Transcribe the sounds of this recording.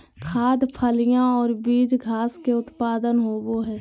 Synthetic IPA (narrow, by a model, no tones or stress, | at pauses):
kʰaːd̪pʰəlɪjãɔːɾbiːd͡ʒɡʱaːskeʊt̪paːd̪ənɦoːboɦɛː